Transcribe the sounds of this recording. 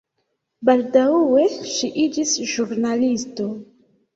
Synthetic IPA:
baldauwe̞ʃiʔid͡ʒisʒuɾnalisto̞

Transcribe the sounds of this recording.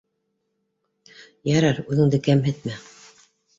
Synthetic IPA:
jæɾɑɾʉðɘ̆ŋd̪ɘkæmɦɘ̆t̪̚mæ

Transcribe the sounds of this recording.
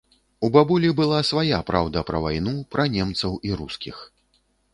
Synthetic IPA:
ubabulʲibɨlˠasvajapɾawd̪ɐpɾɐvajnupɾɐnʲɛmt̪sɐwiɾuskʲix

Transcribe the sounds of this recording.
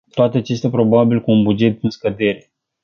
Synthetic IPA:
t̪oat̪eat͡ʃe̞st̪eapɾo̞babilkuːnbud͡ʒe̞t̪̚d̪ɨnskəd̪e̞ɾe̞

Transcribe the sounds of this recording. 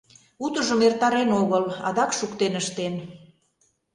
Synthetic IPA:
ut̪əʒəmert̪ɑɾenoɣəlɑ̰d̪ɑkʃukt̪enəʃt̪en

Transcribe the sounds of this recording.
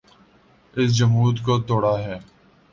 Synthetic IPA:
ɪs̬d͡ʒəmuːt̪koːt̪oːɽaːɦɛː

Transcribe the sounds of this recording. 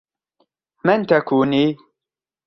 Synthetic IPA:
mɪnt̪akuːniː

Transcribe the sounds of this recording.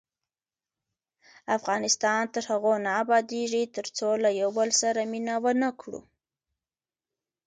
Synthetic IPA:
afɣɑnɪst̪ɑnt̪əɾhaɣonaːbɑd̪eʐit̪əɾt͡solajawbəlsaɾaminawənakɽṵ

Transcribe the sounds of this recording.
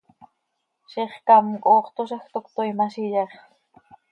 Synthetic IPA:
ʃiχkamkʼoːχt̪oʃext̪okt̪ojmaʃiʎeχ

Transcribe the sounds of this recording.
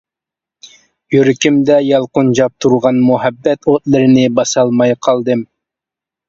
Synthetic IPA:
jøɾɪkʲimd̪ɛjɑlˠqʊnd͡ʒɑp̚t̪ʰuɾʁɑnmuɦɛbːɛt̪ʰot̪lˠɨɾɪnɪbɑsɑlˠmɑjqʰɑlˠd̪ɨm

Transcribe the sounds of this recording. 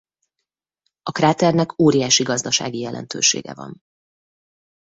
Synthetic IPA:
ɒkraːt̪ɛrnɛkoːɾijaːʃiɡɒzd̪ɒʃa̰ːɡijɛlʔɛ̰nt̪ø̰ːʃḛːɡɛ̰vɒ̰n

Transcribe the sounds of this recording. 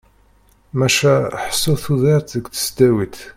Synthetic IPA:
mæʃæħə̥sːuθuðiɾt̪əɡθə̥sd̪æwit̪

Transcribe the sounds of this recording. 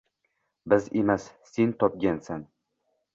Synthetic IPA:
bɪzemasːent̪ʰɒp̚ɡʲansan

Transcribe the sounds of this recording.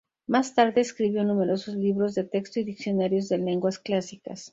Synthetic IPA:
mast̪aɾðe̞ːskɾiβjo̞nume̞ɾo̞so̞zliβɾo̞zðet̪e̞kst̪oiðiksjo̞naɾjo̞zðe̞le̞ŋɡwasklasika̰s

